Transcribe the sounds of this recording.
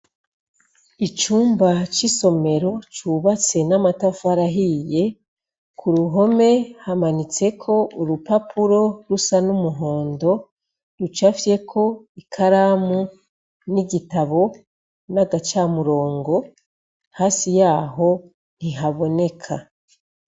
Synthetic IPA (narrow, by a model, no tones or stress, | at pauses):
it͡ʃuːmbat͡ʃiso̞me̞ɾo̞t͡ʃuβat͡se̞namatafaɾaɦije̞ | kʰuɾuɦo̞me̞hamanit͡se̞kʰo̞uɾupapʰuɾo̞ɾusanumuɦo̞ːndo̞ | ɾut͡ʃafje̞kʰo̞ | ikʰaɾamu | niɟitaβo̞ | naɡat͡ʃamuɾo̞ːŋɡo̞ | haːsijaːɦo̞ | n̥iɦaβo̞ne̞kʰa